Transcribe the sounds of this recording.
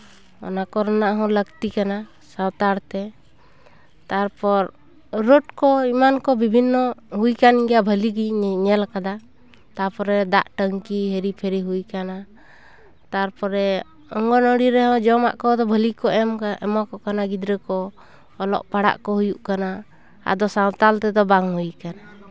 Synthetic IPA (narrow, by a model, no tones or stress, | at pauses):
ɔ̰nakɔɾɔnaʔɦɔ̃ləɡt̪ikana | sawt̪aɾt̪ɛ | t̪aɾpɔɾ | ɾɔʈ̚kɔimankɔbibʱinːɔɦujkaniŋɡabʱəliɡiɲɛlkad̪a | t̪apɔɾɛd̪aʔʈəŋkiɦeɾipʰɛɾiɦujkana | t̪aɾpɔɾɛ | ɔŋɡɔnəɽiɾɛɦɔ̃d͡ʒɔma̰ʔkɔd̪ɔbʱəlikɔʔɛmkaɛ̰mɔkɔkanaɡid̪ɾɛkɔː | lɔ̰ʔpaɽa̰ʔkɔɦujuʔkana | a̰d̪ɔsawt̪alt̪ɛd̪ɔbaŋhujkana